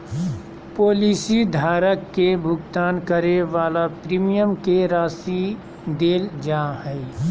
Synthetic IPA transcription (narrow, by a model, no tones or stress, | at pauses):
poːliːsid̪ʱaːɾəkːebʱʊɡt̪aːnkəɾeʋaːlapɾiːmijəmkeɾaːsi | d̪eːld͡ʒaːhɛː